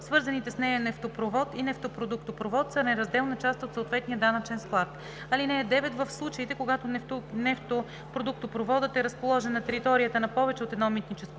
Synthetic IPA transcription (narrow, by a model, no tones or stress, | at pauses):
svɤɾzɐnit̪ɛsnɛjɐnɛft̪opɾovɔt̪inɛft̪opɾod̪ukt̪opɾovɔt̪sənɛɾɐzd̪ɛlˠnɐt͡ʃast̪ot̪soot̪vɛt̪nijəd̪anət͡ʃɛnsklˠat̪ | ɐlinɛːd̪ɛvɛt̪vəfslˠut͡ʃəit̪ɛkoɡat̪ononɛft̪o | pɾod̪uk̚t̪opɾovɔd̪ət̪ɛɾɐspolˠɔʒɛnɐt̪ɛɾit̪ɔɾijət̪ənɐpɔvɛt͡ʃɛot̪ɛd̪nɔmit̪nit͡ʃɛsko